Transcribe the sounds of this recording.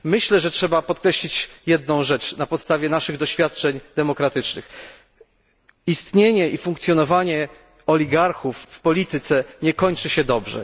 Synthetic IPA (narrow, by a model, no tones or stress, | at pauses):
mɘɕlɛʐɛtʂɛbapɔt̪̚kɾɛɕlʲit͡ɕjɛd̪nɔ̃w̃ʐɛt͡ʂnapɔt̪st̪avʲjɛnaʂɘɣd̪ɔɕfʲjat̪̚t͡ʂɛɲd̪ɛmɔkɾat̪ɘt͡ʂnɘ̰x | ist̪ɲeɲɛʔifuŋkt̪sʲjɔnɔvaɲɛ | ɔlʲiɡaɾxufːpɔlʲit̪ɘt̪sɛɲɛkɔɲt͡ʂɘɕɛd̪ɔbʐɛ̰